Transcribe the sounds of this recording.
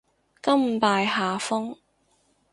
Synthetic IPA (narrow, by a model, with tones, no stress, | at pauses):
kɐ˥m̩˨paː˧jɦaː˨fʊ˥ŋ